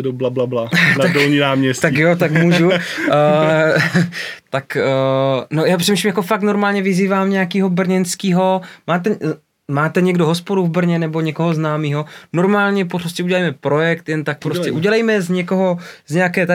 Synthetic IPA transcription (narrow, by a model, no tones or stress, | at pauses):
doblablablat̪adolɲinaːmɲɛst̪akjot̪akmuːʒu | t̪akənojaːpr̥ɛmiːʃimjakofak̚t̪no̞ɾmaːlɲɛvɪziːvaːmɲɛjakiːɦo̞br̩ɲɛnskiːɦomaːt̪ɛ | maːt̪ɛɲɛɡdoɦospoduvbr̩ɲɛnɛboɲɛkoɦoznaːmiːɦo̞no̞ɾmaːlɲɛporoscɛuɟɛlajmɛpɾojɛkt̪jɛnt̪ak̚pɾoscɛʔuɟɛlajmɛzɲɛkoɦo̞zɲɛjakɛːt̪a